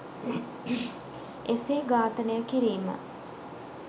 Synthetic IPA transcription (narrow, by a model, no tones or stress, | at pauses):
eseːɡaːt̪ənəjəkiɾiːmə̰